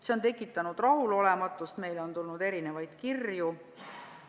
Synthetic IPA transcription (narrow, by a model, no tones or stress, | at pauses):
seo̞nt̪̬e̞kːˑit̪ːˑɑnud̪̥rɑɦulo̞le̞mɑt̪ːˑust̪me̞jlo̞nt̪ulnud̪̥e̞ɾine̞vɑjd̪̥kirju